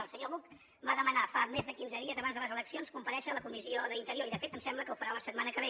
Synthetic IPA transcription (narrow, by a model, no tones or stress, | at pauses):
əlˠsəɲoβuk | baðəmənafamezðəkinzəðiəzəβanzðələzələksionskumpəɾɛʃələkumizioðəint̪əɾioɾiðəfet̪ənsɛmbləkəufəɾaunəsət̪̚manəkəβ̞e